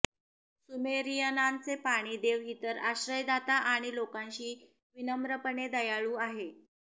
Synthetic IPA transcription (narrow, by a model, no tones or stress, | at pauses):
sumeɾijənant͡sepaɽ̃iːd̪eʋɦit̪əɾaɕɾəjd̪at̪aʔaɽ̃ilokãɲɕiː | ʋinəmɾəpəɳed̪əjaɭuːaɦe